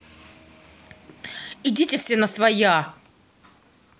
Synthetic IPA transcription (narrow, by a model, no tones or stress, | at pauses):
idʲitʲɪfsʲenəsvɐja